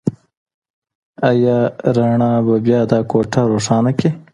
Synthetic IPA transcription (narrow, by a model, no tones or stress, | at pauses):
ɐjaɾaɳaːbɐbjaːd̪ɑːkoːʈaɾoːʂɑːnɐke